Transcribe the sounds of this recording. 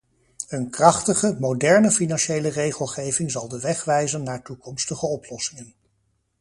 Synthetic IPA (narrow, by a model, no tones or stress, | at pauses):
ənkrɑχtəχəmowdɛɹnəfinɑnʃejlərejχəlˠχejvɪŋzɑlˠdəʋɛχʋɛjzənːaːɹtukɔmstəχəɔplɔsɪŋən